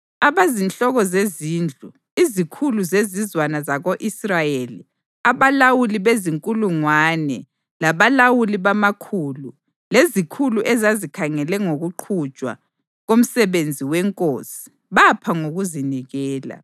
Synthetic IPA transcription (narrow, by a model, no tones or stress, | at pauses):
aβazint͡ɬʼɔɣɔzeziːnd͡ɮʱu | izikʰuluzezizwanazaɣoʔisrajelḭ | aβalawuliβeziŋkʼuluŋwaːnɛ | laβalawuliβamakʰuːlu | lezikʰuluʔɛzazikʰaŋɛlɛŋoɣuǃʰu̥t͡ʃʼwa̰ | ɣom̩sɛβend͡zʱiwɛŋkʼoːsi̥ | βapʰaŋoɣuziniɣɛːla̰